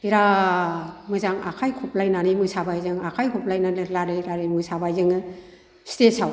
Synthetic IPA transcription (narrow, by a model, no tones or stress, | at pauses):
iɾa | mɯzaŋa̰kʰajkʰɔplajnanimɯsabajzɯŋakʰajkʰɔplajnanɯlaɾɯɾaɾɯmɯsabajzɯŋɯ | stesaw